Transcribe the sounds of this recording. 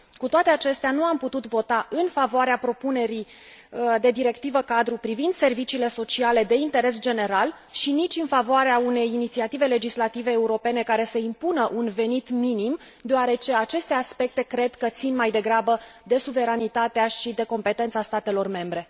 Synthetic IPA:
kut̪oat̪e̞at͡ʃe̞st̪eanuamput̪ut̪vo̞t̪aʔɨnfavoaɾeapɾo̞pune̞ɾi | d̪e̞d̪iɾe̞kt̪ivəkad̪ɾupɾivind̪se̞rvit͡ʃiːle̞so̞t͡ʃiale̞d̪e̞int̪e̞ɾe̞s̬d͡ʒe̞ne̞ɾal | ʃinit͡ʃʲɨnfavoaɾeaune̞jinit̪siat̪ive̞le̞d͡ʒislat̪ive̞ːuɾo̞pe̞ne̞kaɾe̞səimpunəʔunve̞nit̪minim | d̪eoaɾe̞t͡ʃe̞at͡ʃe̞st̪e̞aspe̞k̚t̪e̞kɾe̞d̪kət̪sinmajd̪e̞ɡɾabəd̪e̞suve̞ɾanit̪at̪eaʃid̪e̞ko̞mpe̞t̪e̞nt̪sast̪at̪e̞lo̞rme̞mbɾe̞

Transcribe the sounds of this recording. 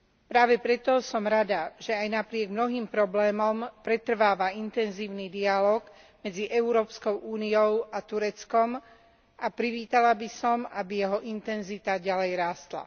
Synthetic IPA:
pɾaːʋɛpɾɛt̪ɔsɔmɾad̪aʒɛajnapɾɪɛɡmnɔɦiːmpɾɔblɛːmɔmpɾɛt̪r̩ʋaːʋaint̪ɛnziːʊnid̪ialɔːɡ | mɛd͡ziʔɛʊɾɔːpskɔʊʔuːniɔʊat̪uɾɛt͡skɔm | ʔapɾiʋiːt̪alabisɔmabijɛɦɔʔint̪ɛnzit̪aɟalɛjɾaːst̪la̰

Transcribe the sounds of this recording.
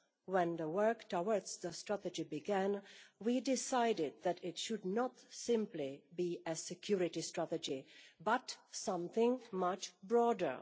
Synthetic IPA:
wɛ̃nðəwɜ˞ktʰɔwə˞dz̥ðəstɹ̥ætɨd͡ʒibɪɡæ̃nwidɪsaɪdɪd̪̚ðɨɾɪtʃʊdnətsɪ̃mplibiɨsɨkʰj̥uɹɪtistɹ̥ætɨd͡ʒibʌtsʌ̃mθɪ̃ŋmʌt͡ʃbɹɔdə̰˞

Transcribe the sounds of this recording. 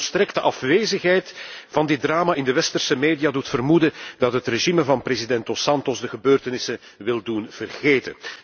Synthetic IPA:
stɾɛktəʔɑfʋeːzəxɦɛjtv̥ɑndɪt̚draːmaɪndəʋɛstərsəmeːdijadutfərmudədɑtɦətreʒiməvɑnprezidɛntosɑntɔzdəɣəbøːrtənɪsə | ʋɪlˠdunv̥ərɣeːtə̰n

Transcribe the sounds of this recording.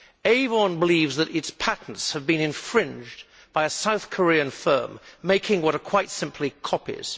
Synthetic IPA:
eɪvə̃nbəlivzðɨɾɨtspʰæʔn̩tshɨvbɨ̃nɨ̃ɱfɹɪ̃nd͡ʒ | b̥aɪɨsaʊθkʰə˞iɨ̃nfɜ̰̃˞mːeɪkʰɪ̃ŋwʌɾəkʰw̥aɪtsɪ̃mpʰlikʰɑpḭz̥

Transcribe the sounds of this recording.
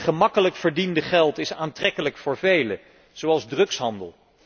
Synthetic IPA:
χəmɑkələkfəɹdindəχɛlˠtɪsaːntrɛkələkfʊːɹvejlə | z̥owɑlˠzdrɵksɦɑndə̰lˠ

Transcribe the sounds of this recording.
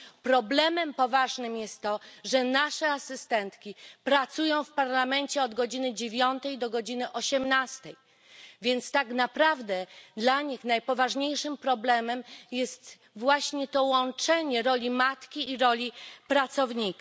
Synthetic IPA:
pɾɔblɛmɛmpɔvaʐnɘmjɛst̪ːɔʐɛnaʂɛasɘst̪ɛnt̪kʲipɾat̪sujɔ̃w̃fpaɾlamɛnt͡ɕɛɔd̪ɡɔd͡ʑinɘd͡ʑevʲjɔnt̪ɛjd̪ɔɡɔd͡ʑinɘʔɔɕɛmnast̪ɛj | vʲjɛnt̪st̪aknapɾavd̪ɛd̪laɲixnajpɔvaʐɲejʂɘmpɾɔblɛmɛmjɛst̪ | vwaɕɲɛt̪ɔwɔnt͡ʂɛɲɛɾɔlʲimat̪kʲiːɾɔlʲipɾat̪sɔvɲika

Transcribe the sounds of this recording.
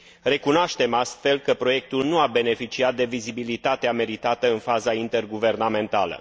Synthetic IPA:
re̞kunoaʃt̪e̞mast̪fe̞lkəpɾo̞je̞k̚t̪ulnuabe̞ne̞fit͡ʃiat̪̚d̪e̞vizibilit̪at̪eame̞ɾit̪at̪əɨnfazaint̪e̞rɡuve̞rname̞nt̪alə̰

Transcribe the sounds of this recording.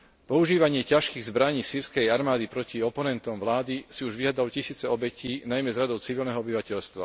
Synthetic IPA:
pɔuʒiːʋaɲɪɛcaʃkiːɣzbɾaɲiːsiːɾskɛjaɾmaːd̪ipɾɔciɔpɔnɛnt̪ɔmʋlaːd̪isiuʒʋiɦad̪alucisiːt͡sɛɔbɛciːnajmɛzɾad̪ɔʊt͡siʋilnɛɦɔɔbiʋacɛʎst̪ʋa̰

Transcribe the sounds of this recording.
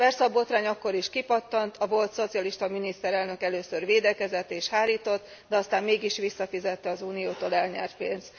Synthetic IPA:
pɛrsɛɒbo̞t̪raːɲɒkːo̞ɾiʃkipɒt̪ːɒnt̪ʰɒvo̞lt̪so̞t̪sijɒliʃt̪ɒminist̪ɛɾɛlnø̞kɛløːsørʋeːd̪ɛkɛzɛt̪ːeːʃhaːɾiːt̪o̞t̪ː | d̪ɛɒst̪aːmmeːɡiʃʋisːɒfizɛt̪ːɛɒzuːnijoːt̪oːlɛlɲɛ̰rt̪peːnst̪

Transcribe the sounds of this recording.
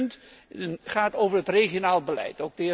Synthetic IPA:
nt | χaːtowvərətreχjonaːlˠəbəlɛ̰jtowk̚dɪ

